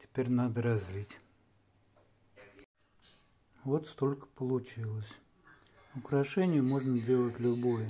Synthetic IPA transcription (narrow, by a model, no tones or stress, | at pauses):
tʲɪ̥pʲeɾʲnad̪əɾɐzʲlʲitʲ | vo̞t̪st̪o̞lʲkə̥pəlˠʊt͡ɕilˠəsʲ | ʊkɾɐʂɛnʲɪjəmo̞ʐnədʲe̞lˠətʲlʲʊbojə